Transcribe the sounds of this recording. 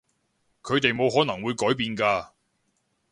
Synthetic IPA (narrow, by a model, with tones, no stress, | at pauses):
kʰɵ˨˧ɥt̪e˨jmo˨˧wɦɔː˨˥nɐ˨˩ŋwuː˨˧jkɔː˨˥jpiː˨nkaː˧